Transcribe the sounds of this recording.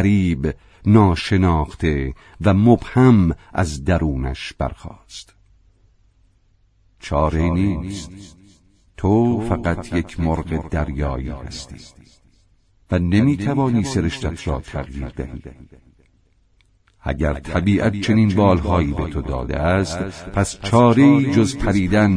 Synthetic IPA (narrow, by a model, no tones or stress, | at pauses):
ɾiːb | nɒːʃe̞nɒːxt̪ʰe̞ | væmobhæmʔæ̰zd̪æɾuːnæ̰ʃb̥æ̰ɾxɒːst̪ | t͡ʃʰɒːɾeniːst̪ | t̪ʰofæɣæt̪ʰjecʰmoɾɢed̪æɾjɒːjiːhæ̰st̪i̥ːt̪ː | vænemiːt̪ʰævɒːniːseɾeʃt̪æt̪ʰɾɒ̰ːt̪ʰæɣjiːɾd̪æhiːiː | ʔæ̰ɟæ̰ɾt̪ʰæbiːʔæt̪̚t͡ʃʰe̞niːnbɒːlhɒːjiːbet̪ʰod̪ɒ̰ːd̪ḛæst̪pʰæst͡ʃʰɒːɾeiːd͡ʒozpʰæɾiːd̪æn